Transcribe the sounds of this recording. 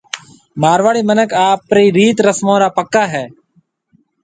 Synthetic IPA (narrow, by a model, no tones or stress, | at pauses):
maːɾʋaːɽiːmənəkaːpɾiːɾiːt̪ɾəsmõːɾaːpəkːaːɦɛː